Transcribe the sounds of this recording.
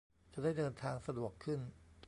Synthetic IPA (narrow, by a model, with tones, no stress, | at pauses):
t͡ɕa˨˩daː˥˩jdɤː˧nt̪ʰaː˧ŋsa˧du˨˩əkʰːɯ˥˩n